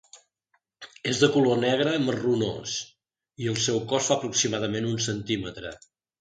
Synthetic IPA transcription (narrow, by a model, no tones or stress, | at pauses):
ezðəkulonɛɣ̞ɾəːməruno̰s | iəlˠsɛwkɔsfapɾuksimað̞əmenunsənt̪imət̪ɾə̰